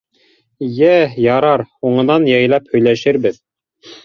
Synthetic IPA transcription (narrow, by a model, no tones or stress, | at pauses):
jæjɑɾɑɾuɴɤ̆nɑnjɑjlˠæphɵ̆jlæʃɘɾbɘð